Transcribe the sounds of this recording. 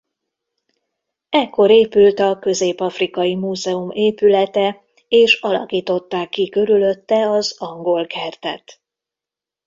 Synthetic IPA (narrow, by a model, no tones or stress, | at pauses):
ɛkːo̞ɾeːpylt̪ɒkø̞zeːpɒfrikɒjimuːzɛumeːpylɛt̪ɛ | eːʃɒlɒ̰kiːt̪o̞t̪ːaːkːikø̞ɾylø̞t̪ːɛɒzɒŋɡo̞lkʰɛrt̪ɛ̰t̪